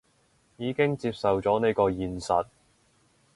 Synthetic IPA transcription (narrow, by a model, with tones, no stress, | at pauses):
jiː˨˧kɪ˥ŋt͡siː˧p̚sɐ˨wt͡sɔː˨˥ne˥jkɔː˧jiː˨nsɐ̰˨t̚